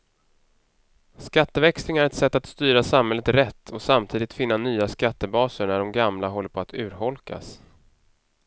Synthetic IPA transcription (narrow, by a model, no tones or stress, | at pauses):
skat̪ːəvɛkslɪŋæɾɛt̪sɛt̪ːat̪st̪yːɾasamhɛlːət̪ɾɛt̪ʰːɔsamt̪ʰiːd̪ɪt̪fɪn̪ːanyːaskat̪ːəbɑːsəɳæɖɔmɡamlaɦɔlːəɾpʰɔat̪ʰʉ̟ːɾɦɔlka̰s